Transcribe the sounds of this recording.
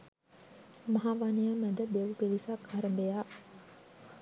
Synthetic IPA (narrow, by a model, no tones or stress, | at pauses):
mɐɦaʋanijamæd̪əb̪eʋupeʋisakʰaɾəmbejaː